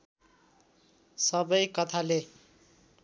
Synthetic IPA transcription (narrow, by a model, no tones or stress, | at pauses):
sʌbʌjkʌt̪ʰale